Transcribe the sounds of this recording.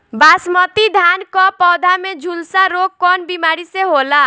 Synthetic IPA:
basmɔt̪id̪ʱankɔpɔd̪ʱamed͡ʒʱulsaɾoɡ̚kɔnbimaɾiseɦola

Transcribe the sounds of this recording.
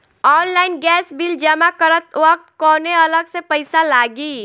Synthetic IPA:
ɔːnlaːɪnɡɛːsbild͡ʒəmakəɾət̪ʋək̚t̪kɔːneɐləɡsepəɪsalaːɡiː

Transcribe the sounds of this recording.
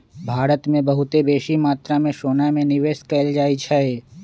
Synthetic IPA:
bʱaːɾət̪mẽbɐɦʊt̪ebeːʃimaːt̪ɾamẽʃoːnamẽnɪʋeːʃkɐld͡ʒaːit͡ʃʰae

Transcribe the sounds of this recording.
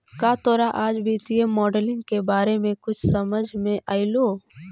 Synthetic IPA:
kaːt̪oːɾaʔaːd͡ʒbʱiːt̪iemɔːɖəlɪ̃ŋɡkebaːɾemẽkʊt͡ʃʰsɐməd͡ʒʱmẽʔaːiloː

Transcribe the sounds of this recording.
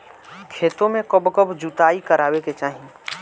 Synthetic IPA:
kʰeːt̪õmẽkəbkəbd͡ʒut̪aːikəɾaːweket͡ʃaːɦĩ

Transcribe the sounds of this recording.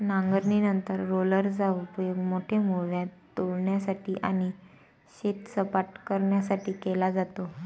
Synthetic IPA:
naŋɡəɾɳinənt̪əɾːoləɾd͡zaupəjoɡmoʈʰemoʋjãt̪ː | oɭɳjasaʈʰiːʔa̰ñi | ɕet̪səpaʈkəɾɳjasaʈʰiːkelad͡zat̪o

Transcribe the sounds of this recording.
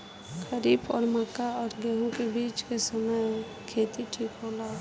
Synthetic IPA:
xəɾiːbɔ̰ːɾməkaɔːɾɡɛɦõkebiːt͡ʃkesəməj | kʰeːt̪iʈʰiːkɦolaː

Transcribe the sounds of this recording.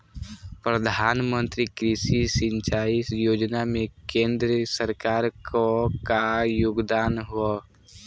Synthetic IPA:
pɾəd̪ʱaːnmə̃nt̪ɾikɾisisɪ̃ɲt͡ʃaːisjoːd͡ʒnamẽkẽːnd̪ɾəsəɾkaːɾkokajʊɡd̪aːnɦua

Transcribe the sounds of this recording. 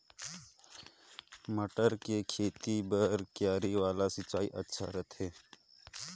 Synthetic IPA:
məʈəɾkekʰeːt̪ibəɾkjaːɾiʋaːlasɪt͡ʃːaːiʔə̰tːʃʰa̰ɾət̪ʰɦeː

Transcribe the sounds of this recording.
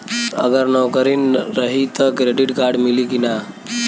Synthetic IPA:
ə̰ɡəɾnɔkəɾinɾəɦit̪əkɾeɖiʈɡaɾɖmilikina

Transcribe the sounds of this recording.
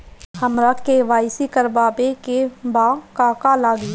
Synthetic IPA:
həmɾakeʋaːɪsikəɾbaːbekebaːkaːkalaːɡi

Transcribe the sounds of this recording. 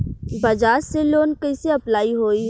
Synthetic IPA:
bɐd͡ʒaːɾseloːnkɐɪseɐplaːiɦoːi

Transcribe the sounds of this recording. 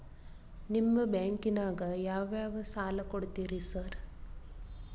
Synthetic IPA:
nimːɐbaːŋkinaːɡɐjaːʋjaːʋɐsaːlɐkoɽt̪iːɾisɐɾ

